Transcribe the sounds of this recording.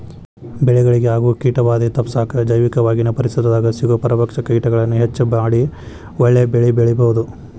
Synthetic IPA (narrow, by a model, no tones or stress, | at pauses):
bɛɭɛɡɐɭiɡeɦaːɡuːkiːʈɐʋaːd̪it̪ɐpsaːkɐd͡ʒɐjʋikɐʋaːɡinɐpɐɾisid̪ɐd̪aːɡɐsiɡɐpɐɾɐpɐkʂɐkiːʈɐɡɐɭɐnːuɦet͡ʃːubaːɽi | wɔɭːebɛɭibeɭɛbɐɦud̪u